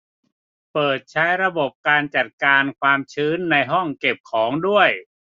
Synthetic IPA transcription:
pɤː˨˩t̪̚t͡ɕʰa˦˥jɾa˧bo˨˩p̚kaː˧nt͡ɕa˨˩t̪̚kaː˧nkʰwaː˧mt͡ɕʰɯː˦˥nːa˧jɦɔ˥˩ŋke˨˩p̚kʰɔː˩˦ŋdu˥˩əj

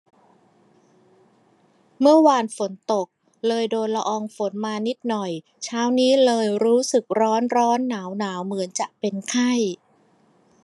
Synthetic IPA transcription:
mɯ˥˩ɐwaː˧nfo˩˦nt̪o˨˩k̚ | lɤː˧jdoː˧nla˧ʔɔː˧ŋfo˩˦nmaː˧ni˦˥t̪̚nɔ˨˩j | t͡ɕʰaː˦˥wniː˦˥lɤː˧jɾuː˦˥sɯ˨˩k̚ɾɔː˦˥nɾɔː˦˥nːaː˩˦wnaː˩˦wmɯ˩˦ənt͡ɕa˨˩ʔpe˧nkʰa˥˩j

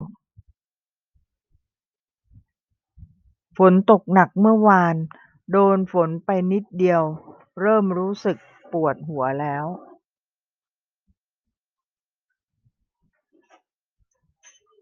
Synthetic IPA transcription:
fo˩˦nt̪o˨˩k̚na˨˩k̚mɯ˥˩ɐwaː˧n | doː˧nfo˩˦npa˧jni˦˥t̪̚di˧əw | ɾɤː˥˩mɾuː˦˥sɯ˨˩k̚ | pu˨˩ət̪̚ɦu˩˦ɐlɛː˦˥w

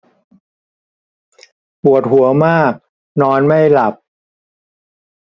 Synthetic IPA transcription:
pu˨˩ət̪̚hu˩˦ɐmaː˥˩k̚ | nɔː˧nma˥˩jla˨˩p̚

